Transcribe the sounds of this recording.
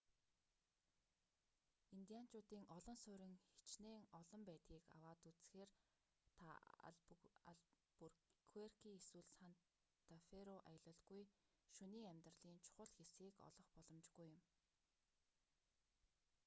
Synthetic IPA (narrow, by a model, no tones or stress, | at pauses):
int̪ijan̥t͡ɕʊːt̪iːŋɔɮɞ̆nsʊːɾɪ̆ŋxe̥t͡ɕneːŋɔɮɞ̆mpæːt̪ɡiːka̰waːt̪ut͡sxeːr | t̪ʰa | aɮ | purkʰuerkʰiːeswŭɮsan | t̪afeɾoʔajə̆ɮə̆ɮɡuj | ʃuniːŋæmʲt̪rəɮiːnt͡ɕʰʊ̥χʊ̆ɮxesɡiːkɔ̰ɮɞ̆χpɔɮɞ̆mt͡ɕɡujʊm